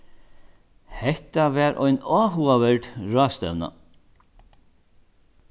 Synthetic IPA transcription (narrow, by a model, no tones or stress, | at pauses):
hɛht̪avɛːɾʔɔ̰jnɔːɦuavɛɹt̪ɹɔːst̪ɛ̰wna̰